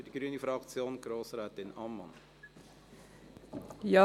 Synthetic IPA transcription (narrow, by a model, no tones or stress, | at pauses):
d̥iɡ̥ɾyənifɾɑkt͡sjoːnɡ̥ɾoːsɾɛːtɪnɑmːɑ̰n | jɑ